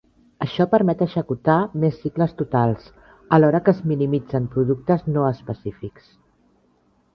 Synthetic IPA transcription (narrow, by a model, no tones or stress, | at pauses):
əʃɔpəɾmɛt̪əʃəkut̪amesːikləst̪ut̪alˠs | əlɔɾəkəzminimid͡zəmpɾuðuk̚t̪əznoəspəsifiks